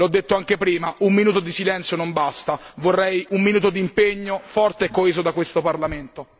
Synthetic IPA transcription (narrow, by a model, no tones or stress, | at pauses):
lɔd̪ːet̪ːoaŋk̟epɾiːmaummːinuːt̪̬od̪isilɛnt̪sjonombast̪avorːɛjumːinuːt̪od̪impeɲːofɔrt̪eɛkːoeːzod̪akwest̪oparlament̪o